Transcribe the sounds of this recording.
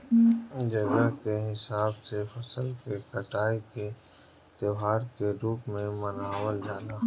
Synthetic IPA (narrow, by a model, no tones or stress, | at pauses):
d͡ʒɐɡəkeɦɪsaːbsefʰɐsəlkekəʈaːike | t̪ɪwɦaːɾkeɾuːpmẽmənaːwəld͡ʒaːnaː